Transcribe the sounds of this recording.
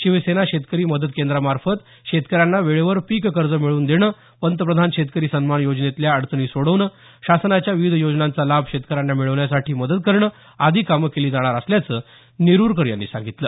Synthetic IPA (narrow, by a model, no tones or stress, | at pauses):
ɕiʋəsenaɕet̪kəɾiːməd̪əd̪kend̪ɾamaɾfət̪ | ɕet̪kəɾjanːaʋeɭeʋəɾpikkəɾd͡zəmiɭuːnd̪eɽ̃əː | pənt̪̬əpɾəd̪ʱanɕet̪̚kəɾiːsənmanjod͡ʑnet̪ljaəɽt̪əɳiːsoɽ̤əʋnə | ɕasnat͡ɕjaʋiʋid̪ʱəjod͡ʑnant͡salabʱɕet̪kəɾanːamiɭəʋɳjasaʈiːməd̪əd̪̚kəɾɳə | ad̪ʱiːkaməkeliːd͡zaɽ̃aɾəsljat͡səː | niɾuːɾkəɾja̰nːḭːsã̰ŋɡit̪ləː